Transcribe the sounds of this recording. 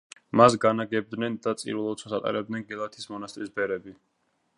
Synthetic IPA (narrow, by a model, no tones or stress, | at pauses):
masɡanaɡɛb̚d̪nɛnd̪at̪sʼḭɾvɛlˠɔsʰɔsat̪ʼɛ̰ɾɛb̚d̪nɛnɡɛlˠat̪ʰismɔnast̪ʼɾisbɛɾɛbi